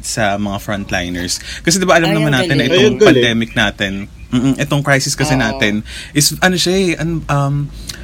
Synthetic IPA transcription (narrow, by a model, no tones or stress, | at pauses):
sɐmɐŋafɹɐnt̪la̰jnɛɹskɐsɛd̪ɪbaʔɐlɐmnɐmanaːt̪ɪnːɐʔɪt̪oŋpɐnd̪ɛːmɪk̚naːt̪ɪn | m̩ːʔ̩ʔɛt̪oŋkɹajsɪskɐsɛnaːt̪ɪnʔɪsʔɐnoʃaʔɐnoʔɐm